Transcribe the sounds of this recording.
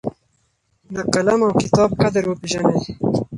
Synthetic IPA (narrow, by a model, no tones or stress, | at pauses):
d̪əkɐlamawkɪt̪ɑːb̚kad̪əɾwəpiʒaned̪